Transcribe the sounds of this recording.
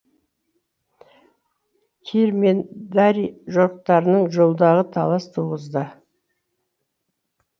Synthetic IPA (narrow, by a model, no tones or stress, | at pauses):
kʲʰeɾme̞nd̪aɾiʒoɾəq̚t̪ɑɾənəɴʒolˠd̪ɑʁət̪ʰɑlˠɑst̪ʰuʁəzd̪ə